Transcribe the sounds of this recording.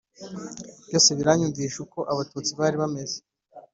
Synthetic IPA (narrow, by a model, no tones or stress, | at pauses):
vɟo̞ːse̞βiɾaɲuɱviːʃuko̞ʔaβatuːt͡siβaːɾiβame̞ze